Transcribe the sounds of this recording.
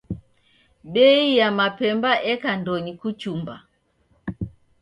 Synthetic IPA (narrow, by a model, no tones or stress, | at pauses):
ɓɛijamapɛmbaʔɛkandɔɲikut͡ʃumba̰